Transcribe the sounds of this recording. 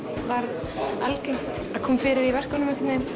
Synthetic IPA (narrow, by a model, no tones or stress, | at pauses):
vaɾð | alcejŋ̥t̪aðkʰɔːmfɪːɾɪɾivɛr̥kanʏmʏk̪nɪn